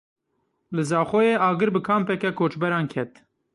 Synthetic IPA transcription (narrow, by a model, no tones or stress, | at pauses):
lɨzɑːxojeːɑːɡɨɾbɨkʰɑːmpɛkɛkʰoːt͡ʃbɛɾɑːnkʰɛt̪